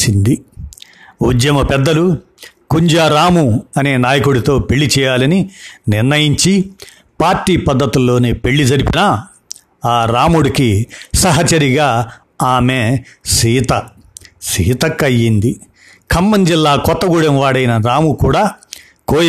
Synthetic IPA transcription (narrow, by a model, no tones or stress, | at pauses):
ind̪i | ud̪jɐmɐpɛd̪ːɐlu | kuɲd͡ʒaːɾaːmuɐne̞ːnaːjɐkuɽit̪o̞ːpeɭːit͡ʃɛːjaːlɐninɪɾnɐjiɲt͡ʃi | paːɾʈːiːpɐd̪ːɐt̪ulːo̞ːneːpe̞ɭːid͡ʒɐɾipinɐ | aːɾaːmuɽikisɐɦɐt͡ʃɐɾiɡaː | aːmeːsiːt̪ɐ | siːt̪ɐkːɐjːind̪i | kʰɐmːɐɲd͡ʒilːaːkɔt̪ːɐɡuɽɐmʋaːɽɐjinɐɾaːmukuːɽaː | koːj